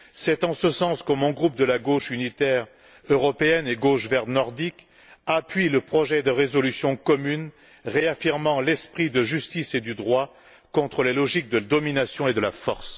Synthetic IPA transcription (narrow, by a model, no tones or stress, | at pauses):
sɛt̪ɑ̃səsɑ̃skɔmɔ̃ɡʁup̚d̪əlaɡoʃynit̪ɛʁ | øʁɔpeɛneɡoʃvɛʁnɔʁd̪ik | apɥiləpχɔʒɛd̪əʁezɔlysjɔ̃kɔmyn | ʁeafiʁmɑ̃lɛspχid̪əʒyst̪ised̪yd̪ʁwa | kɔ̃t̪χəlelɔʒik̚d̪əd̪ɔminasjɔ̃ed̪əlafɔʁs